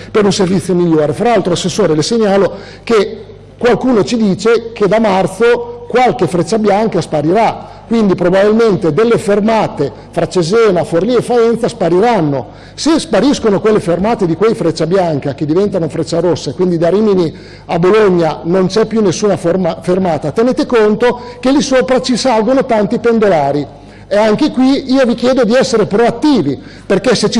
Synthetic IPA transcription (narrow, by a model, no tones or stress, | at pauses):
peɾunservit̪sjomiʎːoːɾefɾaalt̪ɾoasːesːoːɾeleseɲːaːlo | ke | kwalkuːnot͡ʃid̪iːt͡ʃek̟ed̪amart̪sokwalkefɾet͡ʃːabjaŋkaspaɾiɾa | kwind̪ipɾobabilment̪ed̪elːefermaːt̪e | fɾat͡ʃezɛːnaforliefːaɛnt̪saspaɾiɾanːo | sespaɾiskonokwelːefermaːt̪ed̪ikwejfɾet͡ʃːabjaŋkak̟ed̪ivɛnt̪anofɾet͡ʃːaɾosːekwind̪id̪aɾimini | aboloɲːanont͡ʃɛpːjunːesːuːnafrmafermaːt̪at̪eneːt̪ekont̪ok̟elisopɾat͡ʃisalɡonot̪ant̪ipend̪olaːɾi | eaŋk̟ekwiiːovik̟jɛːd̪od̪iɛsːeɾepɾoat̪ːiːvi | perkeset͡ʃi